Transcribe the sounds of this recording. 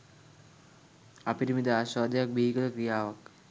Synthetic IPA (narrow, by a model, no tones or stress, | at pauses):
ɐpinimid̪aːɕaːd̪ɐjak̚bʱiːikɐd̪ɐkɾijaːʋɐk